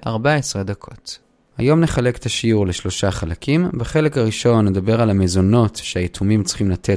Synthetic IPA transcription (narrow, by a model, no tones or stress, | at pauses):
ʔaʁbaesʁed̪akʰo̞t | hajo̞mne̞χale̞ke̥t̪aʃiuʁle̞ʃlo̞ʃaχalakʰimbaχe̞le̞kaʁiʃo̞nːed̪abe̞ʁalamezono̞tʃeajetʰumimt͡sχimlatʰe